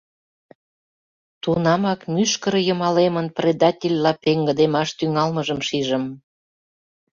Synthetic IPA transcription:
t̪unɑmɑkmyʃkəɾə̆jə̆mɑlemənprʲed̪ɑtʲelʲlɑpeŋɡə̆d̪emɑʃt̪yŋɑlməʒəmʃiʒə̆m

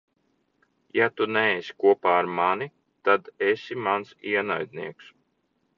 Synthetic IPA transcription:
jat̪unɛːsʲi̥kuɔpaːɾmani | t̪ad̪esʲimansiɛna̰jd̪niɛks

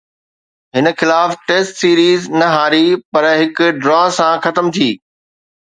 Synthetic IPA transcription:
ɦɪnə̆xɪlaːfʈeːsʈsiːɾiːznɐɦaːɾipɐɾɦɪkʊɖɾaːsãxɐt̪əmt̪ʰiː

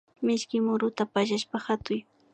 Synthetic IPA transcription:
mɪʃkɪmʊɾʊt̪apaʒaʃpahat̪ʊj

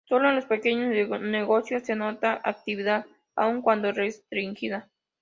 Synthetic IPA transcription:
soloenlospekeɲosneɣosjosːenot̪aʔa̰k̚t̪iβiðað | a̰uŋkwand̪orest̪ɾiŋxiða

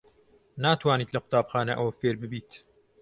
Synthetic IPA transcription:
naːt̪waːniːt̪lɐqʊ̥t̪aːbxaːnɐ̰ʔɐwɐfeːɾbɨbiːt̪

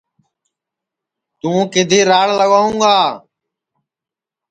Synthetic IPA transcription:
t̪ũːkɪd̪ʱeːɾaːɽləɠaːũːɡaː

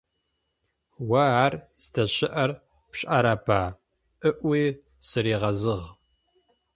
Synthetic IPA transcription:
wɐaːr | z̥tʰɐɕɪʔɐr | pɕʼʔɐɾɐpʰaː | ʔɨʔʷiː | sɨɾiːʁɐzɨʁ

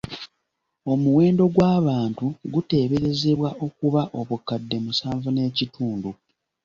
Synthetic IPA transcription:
o̞muwe̞ːndo̞ɡwaːβaːntuɡute̞ːβeɾe̞ze̞βwaʔo̞kuβaʔo̞βukːadːe̞musaːɱvune̞ːcitʰuːndu

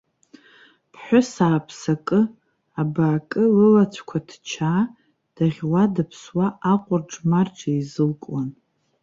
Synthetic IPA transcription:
pʰħʷʊsaːpʰsakʼɨ | abaːkʼɨlɨlat͡ɕʷʰkʷʰadʰt͡ʃʰaː | d̥aʁʲwadapʰswaʔaqʷʼʊrʈ͡ʂʼmarʈ͡ʂʰʼaizɨlkʼwan

